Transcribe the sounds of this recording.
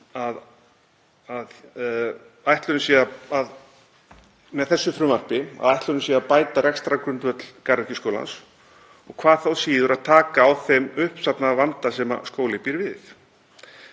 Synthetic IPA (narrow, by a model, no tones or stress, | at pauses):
að | að | ajht̪lœɾnʏsiːaað | mɛðθɛsːʏfɾʏmar̥pɪa̰ðjht̪lœnʏsiɛapaːjt̪aɾɛkst̪ɾakɾʏnt̪vœt̪l̥karɾɛcɪskowla̰ns | ɔɣkʰvaːðθawsiːðʏɾaðt̪ʰaːkaːwθemʏhpsapnavant̪asɛma̰skoːwlɪpiɾvɪθ